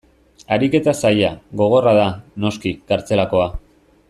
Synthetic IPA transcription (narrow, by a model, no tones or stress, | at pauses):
aɾike̞t̪asajaɣo̞ɣ̞o̞raðano̞skikaɾt͡se̞lako̞a